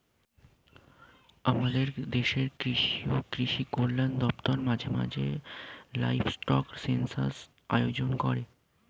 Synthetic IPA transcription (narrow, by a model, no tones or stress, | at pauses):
amad̪eɾd̪eʃeɾkɾiʃiokɾiʃikoɾland̪ɔpt̪oɾmad͡ʑʱema̰d͡ʑʱḛla̰jfsʈɔksensa̰s | a̰jod͡ʑonkɔɾe